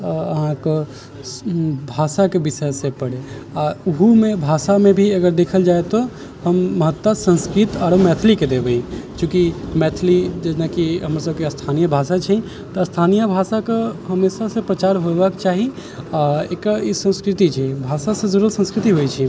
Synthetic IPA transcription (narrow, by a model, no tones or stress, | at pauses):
əɦãke | bʱasakebisəsepəɽeauɦumebʱasamẽbʱiəɡəɾd̪ekʰəld͡ʒaet̪o | həmːəɦət̪ːwəsə̃nskɾit̪aɾəmɛt̪ʰliked̪ebeĩkjũːkimɛt̪ʰlid͡ʒɛnakiɦəmɾas̬əb̚keəst̪ʰanijəbʱasat͡ʃʰɛ | t̪ɔst̪ʰanijəbʱasakeɦəmesasepɾət͡ʃaɾɦobəkt͡ʃaːɦi | aekaisə̃nskɾɪt̪it͡ʃʰɛbʱasasẽd͡ʒəɾəlsə̃nskɾit̪iɦojt͡ʃʰi